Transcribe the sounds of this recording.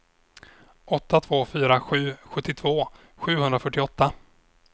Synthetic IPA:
ɔt̪ʰːat̪ʰv̥oːfyːɾaɧʉ̟ːɧɵt̪ːɪt̪ʰv̥oː | ɧʉ̟ːɦhɵnd̪ɾafœʈːɪɔt̪ːa

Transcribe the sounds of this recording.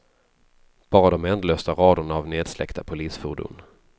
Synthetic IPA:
b̥ɑːɾad̪ɔmɛnd̪løːst̪aɾɑːd̪ʊɳaavneːd̪slɛ̰kt̪ʰapʰʊliːsfʊɖṵːn

